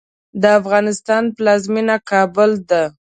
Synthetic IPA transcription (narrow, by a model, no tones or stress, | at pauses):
d̪əafɣɑnɪst̪ɑnplɑzminakɑbʊld̪a